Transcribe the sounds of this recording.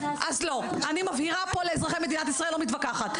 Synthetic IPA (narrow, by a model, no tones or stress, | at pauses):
ʔazlo̞ʔanimavhiʁapo̞le̞ːzʁaχejmed̪inat̪isʁaelːomit̪vakaχat̪